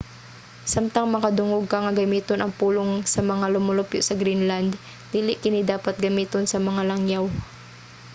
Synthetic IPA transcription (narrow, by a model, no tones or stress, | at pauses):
samt̪ɐŋmɐkɐd̪ʊŋoɡ̚kaŋɐɡɐmiːt̪onʔɐŋpuːloŋsɐmɐŋalʊmʊlʊpjoʔsɐɡɾinland̪ | d̪iːlɪʔkɪnɪd̪aːpɐt̪̚ɡɐmiːt̪onsɐmɐŋalaŋjaw